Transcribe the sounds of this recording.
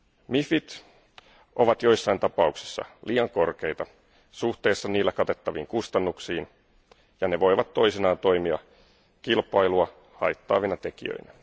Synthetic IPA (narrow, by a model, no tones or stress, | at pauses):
mifit̪ | ʔo̞ʋɑt̪jo̞jsːɑjnt̪ɑpɑuksi̥sːɑ̰lʔiːɑŋko̞rke̞jt̪ɑ | suht̪e̞ːsːɑniːlːækɑt̪e̞t̪ːɑʋiːŋkust̪ɑnːuksiːn | jɑneʋo̞jʋɑt̪ːo̞jsinɑːnt̪o̞jmiɑ̰ | kilpˑɑjluɑ | hɑ̰jt̪ːɑ̰ːʋinɑt̪e̞kiø̰inæ